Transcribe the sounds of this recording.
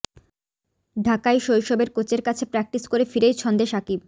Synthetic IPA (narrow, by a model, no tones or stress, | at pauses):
ɖʱakajʃojʃɔbeɾkot͡ɕeɾkat͡ɕʰepɾɛk̚ʈiskoɾefiɾejt͡ɕʰɔnd̪eʃakib̚